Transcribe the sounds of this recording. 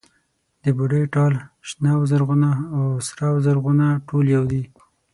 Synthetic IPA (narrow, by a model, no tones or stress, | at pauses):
d̪̥əbʊɖəjʈɑlʃnawzaɾɣunaawsɾawzaɾɣunaʈoljawd̪i